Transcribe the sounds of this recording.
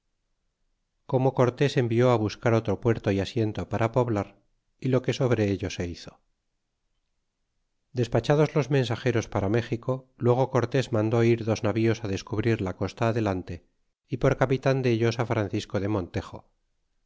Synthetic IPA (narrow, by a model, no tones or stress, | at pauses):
ko̞mo̞ko̞ɾt̪e̞se̞mbio̞aβ̞uskaɾo̞t̪ɾo̞pwe̞ɾt̪o̞iasje̞nt̪o̞paɾʔapo̞βlaɾ | ilo̞ke̞so̞βɾe̞eʎo̞se̞iθo̞̥ | d̪e̞spat͡ʃað̞o̞zlo̞zmẽ̞nsaxe̞ɾo̞spaɾame̞xiko̞lwe̞ɣ̞o̞ko̞ɾt̪e̞zmãnd̪o̞iɾðo̞znaβio̞saðe̞skuβɾiɾlako̞st̪aːðe̞lant̪e̞ | ipo̞ɾkapit̪and̪e̞ʎo̞safɾanθisko̞ðe̞mõ̞nt̪e̞xo̞̰